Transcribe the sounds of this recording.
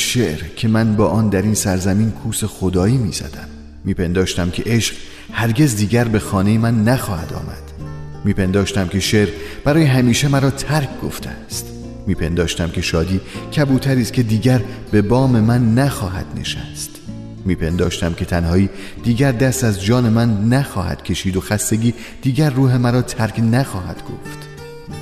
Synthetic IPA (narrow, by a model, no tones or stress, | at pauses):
ʃeʔɾcʲʰe̞mænbɒːʔɒːnd̪æɾiːnsæɾzæmiːnkʰuːse̞xod̪ɒːiːmiːzæ̰d̪̥æmː | iːpʰe̞nd̪ɒːʃt̪æmkʲʰe̞ʔeʃɢ | hæɾɟʲe̞zd̪iːɟæɾbe̞xɒːne̞jemænːæxɒːhæ̰d̪ɒ̰ːmæ̰d̪̥miːpʰe̞nd̪ɒːʃt̪æmkʲʰe̞ʃeʔɾb̥æɾɒːjeɦæmiːʃe̞mæɾɒːt̪ʰæɾkʰɡo̞ft̪ʰeæst̪ | miːpʰe̞nd̪ɒːʃt̪æmcʲʰe̞ʃɒːd̪iːcʰæbuːt̪ʰæɾiːst̪cʰe̞d̪iːɟæɾb̥e̞bɒːme̞mænːæxɒːɦæ̰d̪̥ne̞̰ʃæ̰st̪ | miːpʰe̞nd̪ɒːʃt̪æmcʲʰe̞t̪ʰænhɒːiː | d̪̥iːɟæɾd̪æst̪æzd͡ʒɒːne̞mænːæxɒːhæ̰d̪̥cʰe̞ʃiːd̪o̞xæst̪e̞ɟiː | d̪̥iːɟæɾːuːɦe̞mæɾɒːt̪ʰæɾkʰnæxɒːɦæ̰d̪̥ɡ̥o̰ft̪